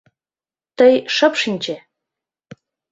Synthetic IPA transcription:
t̪əjʃəpʃinʲt͡ɕe

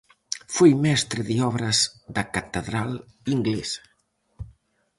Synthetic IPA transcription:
fojmɛst̪ɾɪðeɔβɾɐzðɐkat̪eðɾal | iŋɡlesɐ̥

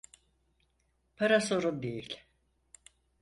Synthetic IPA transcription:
pʰaɾaso̞ɾund̪ejilʲ

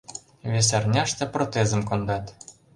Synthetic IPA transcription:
βʲes̬ærnʲæʃt̪ĕprot̪ezə̆mkond̪ɑt̪

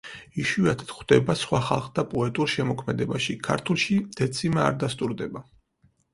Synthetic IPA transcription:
iʃiat̪ʰt̪χd̪̥ɛbasχwaχa̰lˠχd̪apʼɔɛt̪ʼuɾʃɛmɔkʰmɛd̪ɛbaʃikʰaɾt̪ʰulˠʃid̪̥ɛt̪sʰimɛa̰ɾd̪ast̪ʼuɾd̪ɛba

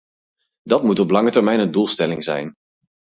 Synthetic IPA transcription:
dɑtmutɔplɑŋətəɹmɛjnəndulˠstɛlɪŋzɛ̰jn

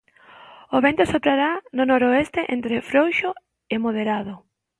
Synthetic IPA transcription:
oβent̪osopɾaɾanonɔɾoest̪eʔent̪ɾefɾowʃo | emoð̞eɾaðʊ

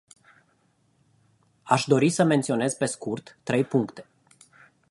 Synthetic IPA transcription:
aʃd̪o̞ɾisəment̪sio̞ne̞zpe̞skurt̪ːɾe̞jpuŋkt̪e̞̥

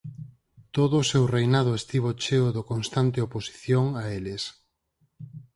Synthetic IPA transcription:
t̪oðoːsewrejnað̞ʊest̪iβ̞ot͡ʃeʊðokonst̪ant̪eoposi̥θjoŋaelɪs

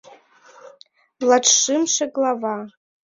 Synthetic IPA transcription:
laʈ͡ʂʰʂɨmʂaɡlava

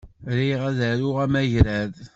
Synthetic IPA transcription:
ɾiʁæðəɾʊʁæmæʝɾæð

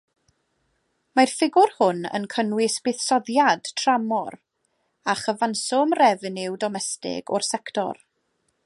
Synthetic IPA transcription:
majrfɪɡʊrhʊnə̰nkʰənwɪsb̥ɪθsɔðjad̥tʰramɔr | aχəvansɔmrɛvnɪwdɔmɛstɪ̰ɡɔrsɛktɔ̰r

